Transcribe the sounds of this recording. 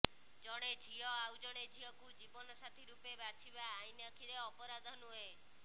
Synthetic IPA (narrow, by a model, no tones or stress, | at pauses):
d͡ʒɔɽ̃ed͡ʒʱiɔawd͡ʒɔɽ̃ed͡ʒʱiɔkud͡ʒibɔnɔsat̪ʰiɾupebat͡ʃʰibaːjnakʰiɾeɔpɔɾad̪ʱɔnuɦe